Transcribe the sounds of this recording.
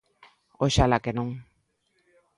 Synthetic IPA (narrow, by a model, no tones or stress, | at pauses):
oʃalakenoŋ